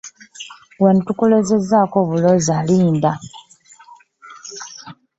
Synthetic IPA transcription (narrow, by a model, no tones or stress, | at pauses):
wanitukule̞ze̞zaːko̞βulo̞zaliːnda